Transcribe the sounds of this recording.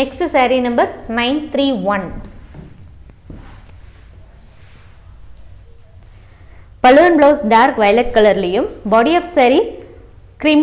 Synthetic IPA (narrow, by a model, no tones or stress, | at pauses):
ɛkssɐɾinɐmbɐɾnɐɪnt̪ɾiːʋɐn | pɐlɯɐnbloːsɖaːɾkʋɐjlɐkːɐɭɐɾɪlɐjɯmbɔːɽiɐfsɐɾi | kɾim